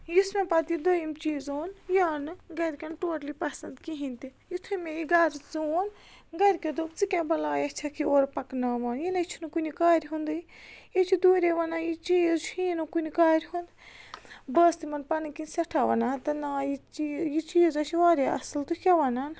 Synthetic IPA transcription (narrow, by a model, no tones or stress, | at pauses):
jismʲepɐt̪id̪ojimt͡ʃiːzoːnjaːnɨɡɐɾʲkʲɐnʈoːʈlipɐsɐnd̪kiɦint̪ijit̪ʰumʲẽjiɡɐɾʲt͡sooːn | ɡɐɾʲkɐd̪oːbt͡sɨkʲãbɐlaːjɐt͡ʃʰakʰioːɾpɐknaːmaːnjinɐt͡ʃʰinukunikaːɾʲiɦund̪ɨjit͡ʃʰid̪uːɾeʋɐnaːjit͡ʃiːzt͡ʃʰinukunikaːɾʲɦund̪ | bəːst̪imɐnpɐnkinsʲɐʈʰaːʋɐ̰naːt̪ɐnaːjit͡ʃijit͡ʃiːzɐt͡ʃʰiʋaːɾʲeɐ̰sɨlt̪ukʲɐʋɐnaːn